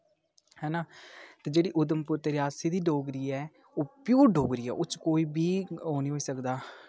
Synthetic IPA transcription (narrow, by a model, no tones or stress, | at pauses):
hɛːnaːt̪eːd͡ʒeːɽiːʔʊd̪əmpʊɾt̪eːɾjaːsiːd̪iːɖoːɡɾiːɛː | oːpjuːɾɖoːɡɾiːɛ̰ːʔʊt͡ʃkoːiːbiːɦoːniːɦoːiːsəkd̪aː